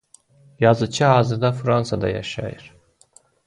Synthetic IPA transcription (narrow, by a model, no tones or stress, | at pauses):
jazɯt͡ʃʰɯɦaːzɯɾd̪afɾansad̪ɑ̰ja̰ʃa̰jɯɾ̥